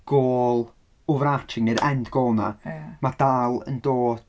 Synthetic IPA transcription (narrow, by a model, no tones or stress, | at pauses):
ɡ̥oːlˠ | ʊvɾat͡ʃʰɪŋɨɾɛndɡ̥oːlˠna̰mad̥alˠə̰ndoːd̥